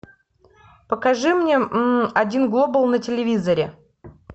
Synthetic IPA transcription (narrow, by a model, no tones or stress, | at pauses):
pəkɐʐɨmnʲeɐdʲinɡlˠobəlˠnətʲɪlʲɪvʲizəɾʲɪ